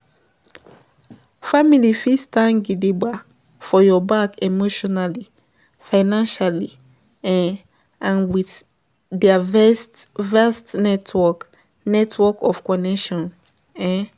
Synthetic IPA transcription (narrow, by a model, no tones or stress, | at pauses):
familifistãnɡidiba | fɔjɔbakemoʃɔnali | faɪnãnʃali | ɛ̃ | ãnwiθ | dɛavɛtvastnɛtʰwɔk | nɛtʰwɔkɔfkɔnɛʃɔ̃n | ɛ̃